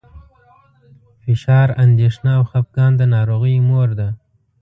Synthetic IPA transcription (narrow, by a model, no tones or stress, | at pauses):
fɪʃɑɾand̪eʂnaːwxap̚ɡɑnd̪ənɑɾoɣəjmoɾd̪a